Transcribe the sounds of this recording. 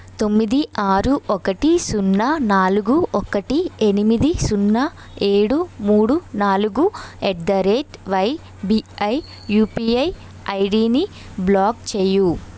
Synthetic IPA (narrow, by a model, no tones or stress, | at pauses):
t̪o̞mːid̪iaːɾuʔɔkɐʈisunːɐnaːluɡuʔɔkɐʈienimid̪isunːɐ | e̞ːɽumuːɽunaːluɡueʈ̚d̪ɐɾeːʈʋɐj | biɐj | juːpiɐj | ɐjɖiːni | blaːɡt͡ʃeːju